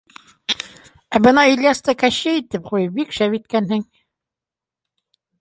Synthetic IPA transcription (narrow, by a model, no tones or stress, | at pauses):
æbɤnɑilʲjɑst̪ɤkæɕɘit̪ɘp̚qujɤp̚bikʃævit̪kænhɘŋ